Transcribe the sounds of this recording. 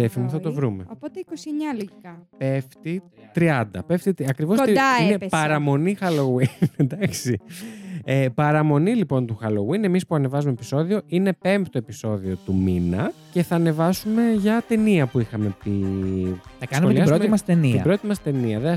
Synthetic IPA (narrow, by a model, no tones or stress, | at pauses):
efimuθɐt̪o̞vɾumeopot̪eikosieɲɐloʝikɐpe̞ft̪i | t̪ɾiɐnd̪ɐpe̞ft̪it̪iɐkɾivosinepɐɾɐmo̞nixɐlowined̪ɐksi | epɐɾɐmo̞nilipo̞nt̪uxɐlo̞wine̞mispuɐne̞vɐzumepi̥so̞ðio̞ine̞pe̞mpt̪oe̞piso̞ðiot̪uminɐce̞θɐːne̞vɐsume̞ʝɐt̪e̞niɐpuixɐme̞pi | ɐkɐɐnuoelisɾomt̪imɐst̪enit̪iɐbɾo̞t̪imɐst̪e̞niɐðe